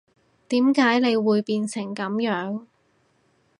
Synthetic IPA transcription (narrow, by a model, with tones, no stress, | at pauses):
t̪iː˨˥mkaː˨˥jne˨˧jwuː˨˧jpiː˧nsɪ˨˩ŋkɐ˨˥mjœː˨˥ŋ